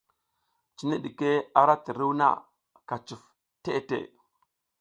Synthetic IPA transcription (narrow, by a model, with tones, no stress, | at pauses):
t͡ʃi˨˦ni˦ɗi˨ke˦a˦ɾa˦ti˨ɾi˦wna̰˦˨ | ka˨t͡ʃu˨f | te˦˨tḛ˦˨